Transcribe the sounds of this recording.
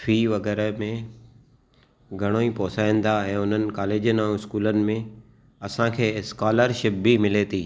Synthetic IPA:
fʰiːʋɐɡɛːɾəmẽ | ɡʱɐɽ̃oːipɔːsaːĩːn̆d̪aɛ̃ːʊn̤ənɪ̆kaːleːd͡ʑənãɪskuːlənɪ̆mẽ | ɐsãkʰeːskaːləɾʃɪp̚bimɪlet̪ʰiː

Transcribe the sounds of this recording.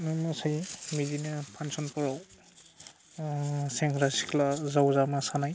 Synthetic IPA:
nɯmɯsajmidinɯpʰansɔnpɔɹaw | seŋkɾasi̥kʰlazawzamasanaj

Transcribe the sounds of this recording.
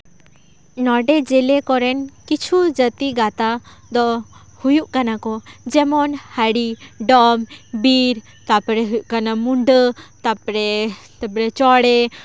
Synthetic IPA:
nɔɖɛd͡ʒɛlɛkɔɾɛnkit͡ʃʰud͡ʒət̪iɡat̪ad̪ɔ | hujuʔkanakɔd͡ʒɛmɔnhəɽiɖɔmbiɾ | t̪apɾɛɦujuʔkanamuɳɖət̪apɾɛt̪apɾɛt͡ʃɔɽɛ

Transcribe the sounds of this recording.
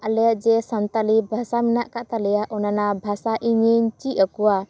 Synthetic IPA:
ʔalɛjaʔd͡ʒɛsant̪alibʱasamɛnaʔkaʔt̪alɛjaʔɔnanabʱasaʔiɲiɲt͡ʃiəkuwa

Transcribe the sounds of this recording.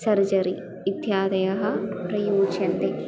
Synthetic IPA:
sɐɾd͡ʒɐɾi | ɪt̪jaːd̪ɐjɐɦɐ̆pɾɐjuːt͡ʃɐnt̪e

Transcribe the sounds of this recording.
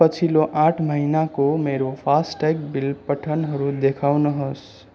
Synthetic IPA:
pət͡sʰiloʔãʈʰməɦinakomeɾopʰasʈakbilpəʈʰənɦʌɾud̪ekʰawnʌɦʌs

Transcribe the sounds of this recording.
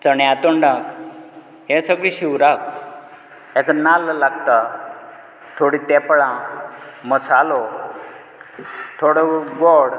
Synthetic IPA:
t͡səɳjat̪oɳɖak | ɦɛ̃səɡɭiɕiwɾak | jat͡sanallaɡt̪a | t̪ʰoɽit̪ɛpəɭãməsalo | t̪ʰoɽɔɡɔɽ

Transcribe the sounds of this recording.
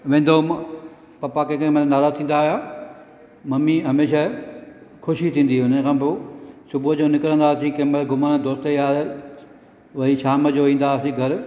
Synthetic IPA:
ʋẽːn̆d̪om | pɐpakẽːkemɐ̃nnaːɾaːzt̪ʰĩːn̆d̪aːɦjaː | mɐmiɦɐmeːʃa | kʰʊʃit̪ʰĩːn̆d̪iʊnəkʰãːbɪsʊbʊəd͡ʑoːnɪkɾə̃nd̪aːsĩkɐ̃ːməlɡʱʊmənd̪oːst̪əiaːe | ʋɐiʃaːməd͡ʑoːʋĩːn̆d̪aːsiɡʱɐɾ

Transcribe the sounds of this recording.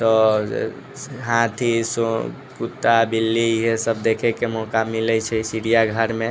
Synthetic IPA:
t̪ɔ̰ | ɦãt̪ʰiso | kut̪ːabilːiɦesəb̚d̪ekʰekemɔkamilɛt͡ʃʰɛsiɽijaɡʱəɾmẽ

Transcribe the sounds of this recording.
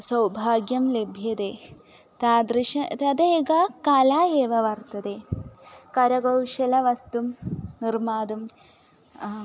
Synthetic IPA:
sɐwbʱaːɡjɐmlebʱjɐd̪eː | t̪ad̪ɾiʃɐt̪ɐd̪eːɡakɐlaːeːʋɐʋɐrt̪ɐd̪e | kɐɾɐɡɐwʂɐlɐʋɐst̪umnirmaːd̪um

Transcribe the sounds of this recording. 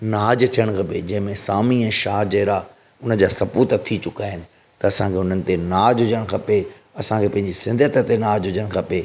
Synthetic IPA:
naːd͡ʑt̪ʰijəɽ̃kʰɐped͡ʑɐ̃ɦɪ̃mẽsaːmiɛ̃ːʃaːd͡ʑɐɦɾa | ʊnə̆d͡ʑaːsɐpuːt̪t̪ʰit͡ɕʊkaːɦɪnɪ̆ | t̪ɐːsãkʰeʊn̤ənɪ̆t̪enaːd͡ʑʊd͡ʑəɽ̃kʰɐpe | ɐsãkʰepɐ̃ɦɪ̃ɲd͡ʑisɪ̃nd̪ʱət̪ət̪enaːd͡ʑɦʊd͡ʑəɽ̃kʰɐpe

